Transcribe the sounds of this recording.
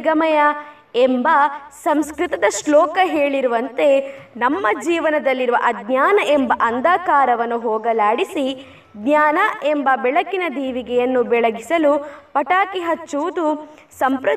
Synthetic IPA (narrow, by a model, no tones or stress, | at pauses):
ɡɐmɐjɐ | embɐsɐmskɾit̪ɐd̪ɐʃlɔːkɐɦeːɭiɾuʋɐnt̪e̞nɐmːɐd͡ʒiːʋɐnɐd̪ɐlːiɾuʋɐʔɐd̪ɲaːnɐʔembɐʔɐnd̪aːkaːɾɐʋɐnːuɦɔːɡɐlaːɽisi | d̪ɲaːnɐʔembɐbɛɭɐkːinɐd̪iːʋiɡɛjɐnːubɛɭɐɡisɐlupɐʈaːkiɦɐt͡ʃːuud̪u | sɐmpɾɐ